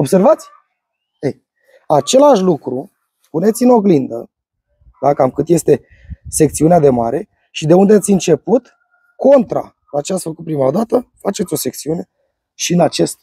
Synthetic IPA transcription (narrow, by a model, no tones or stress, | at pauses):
o̞bse̞rvat̪sʲ | ej | at͡ʃe̞laʃlukɾu | pune̞t̪sʲino̞ɡlind̪ə | d̪akamkɨt̪je̞st̪e̞ | se̞k̚t̪siunead̪e̞maɾe̞ | ʃid̪e̞und̪eat̪sʲɨnt͡ʃe̞put̪ | kʰo̞nt̪ɾa̰ | lat͡ʃeat̪sʲfəkut̪̚pɾimaod̪at̪əfat͡ʃe̞t̪sʲo̞se̞k̚t̪siune̞ | ʃiɨnat͡ʃe̞st̪̚